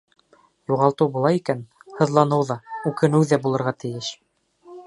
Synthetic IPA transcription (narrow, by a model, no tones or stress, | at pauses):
juʁɑlˠt̪ɤwbulˠɑjikænhɤ̆ðlˠɑnɤwðɑʉkɘ̆nɘwðæbulˠɤ̆ɾʁɑt̪ɘ̆jɘʃ